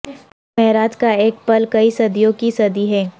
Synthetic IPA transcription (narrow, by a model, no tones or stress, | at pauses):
mɛɦɾaːd͡ʒkaeːk̚pɐlkɐisɐd̪ijõkisɐd̪iɦɛː